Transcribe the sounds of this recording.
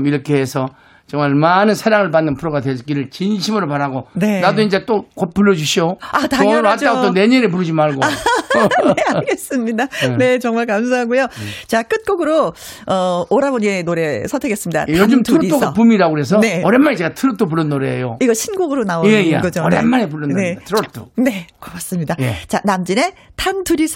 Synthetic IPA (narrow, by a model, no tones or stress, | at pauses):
miɾʌkʰeesʰʌ | t͡ɕʌŋmaɭmanɯnsʰeɾaŋɯɭpanːɯnpʰuɾoɣadwesk͈iɾɯɭt͡ɕinɕʰimɯɾopaɾaɡonenadoind͡ʑe̞t͈okopuɭːʌd͡ʑuɕʰijoataɾɦatt͈aɡot͈one̞ɲeɾep̬uɾɯd͡ʑimaɭɡo | neanɡes͈ɯmɲidane̞t͡ɕʌŋmaɭkams̬ʰaɦaɡujot͡ɕak͈ɯt̚k͈oɡɯɾo | ʌoɾaboɲinoɾe̞sʰʌtʰɯɡes͈ɯmɲid̥a̰tjʌd͡ʑɯmtʰɯɾoɾioɡaʌp̬umiɾaɡoɯɾes̬ʰʌneʌɾenmːanet͡ɕe̞ɡatʰɯɾɯtʰop̬uɾɯnːoɾḛjoiɡʌɭɕʰinɡoɡɯɾonaojeeɡʌd͡ʑoʌemːanep̬uɭːɯnedatʰɯɾotʰo̰ne̞kʌkas͈ɯmɲidajet͡ɕanamd͡ʑine̞tʰantuɾisʰ